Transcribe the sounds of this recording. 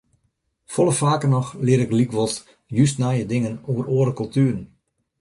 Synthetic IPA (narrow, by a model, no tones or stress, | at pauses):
fɔlˠəfaːkənɔxlɪəɾɪklikʋɔlˠs | jys̬tnajədɪŋənoːəroəɾəkɔlˠtyːrn̩